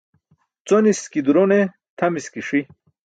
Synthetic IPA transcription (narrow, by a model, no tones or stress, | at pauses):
t͡soniskid̪uɾone | t̪ʰɐmiskiʂi